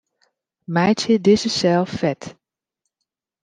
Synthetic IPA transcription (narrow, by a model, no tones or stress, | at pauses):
mɛjtjədɪzəsɛlˠfɛt